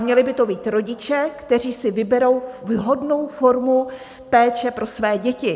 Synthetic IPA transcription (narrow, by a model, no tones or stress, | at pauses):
mɲɛlɪbɪt̪o̞biːt̪ɾo̞ɟɪt͡ʃɛkt̪ɛr̝iːsɪvɪbɛɾo̞wvɦo̞dno̞wfo̞ɾmu | pɛːt͡ʃɛpɾo̞svɛːɟɛcɪ